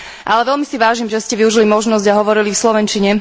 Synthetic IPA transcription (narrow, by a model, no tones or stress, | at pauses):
ʔalɛʋɛlmisiʋaːʒiːmʒɛscɛʋiuʒilimɔʒnɔzɟaɦɔʋɔɾilifslɔʋɛnt͡ʃiɲɛ